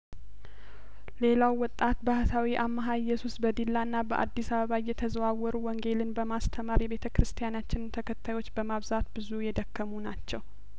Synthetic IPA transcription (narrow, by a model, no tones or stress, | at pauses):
le̞lawːɔt̪ʼːat̪bahət̪ʰawiʔamːaɦaɪjːɛsusbəd̪ilːanːabəʔa̰d̪ːisaβəβajɛt̪ʰəzəwawɔɾuwɔŋɡe̞lɨnbəmast̪ʰəmaɾjɛβe̞t̪ʰəkɨɾɨst̪ʰijanat͡ʃːɪnɨnt̪ʰəkʰət̪ʰːajwo̞t͡ʃːbəmaβzat̪bɨzujɛd̪əkːəmunat͡ʃːɛw